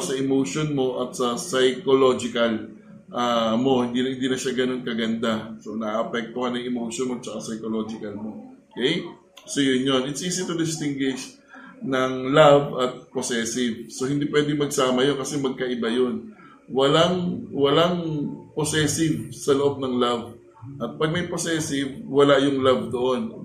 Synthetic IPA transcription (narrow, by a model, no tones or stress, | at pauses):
sɐʔɪmoːʃonmo̞ʔɐt̪̚sɐsɐjkolo̞ːd͡ʒɪkɐl | ʔaːmo̞hɪnd̪iɪnd̪iːnɐʃaɡɐno̞nkɐɡɐnd̪aso̞nɐʔːʔɐpɛk̚t̪ohanɐŋɪmoːʃonmoɐt̪̚t͡ʃɐkasɐjkolo̞d͡ʒɪkɐlmo̞okɛj | sojʊnjo̞nʔɪt̪sʔiːsɪt̪ʊd̪ɪst̪ɪŋɡwɪʃ | nɐŋlavɐt̪̚posɛːsɪvso̞hɪnd̪ipwɛːd̪ɪŋmɐɡ̚saːmɐjo̞nkɐsɛmɐɡ̚kɐʔɪbajo̞n | wɐlaŋwɐlaŋposɛːsɪvsɐloʔo̞b̚nɐŋlav | ʔɐt̪̚pɐɡ̚mɐjposɛːsɪvwɐlajʊŋlavd̪o̞ʔo̞n